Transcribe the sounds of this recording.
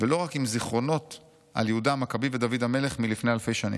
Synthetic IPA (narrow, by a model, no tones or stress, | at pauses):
veloʁakimziχʁo̞no̞t | ʔa̰ljehudaamakabived̪avid̪ame̞le̞χmilifne̞halfe̞jʃanḭ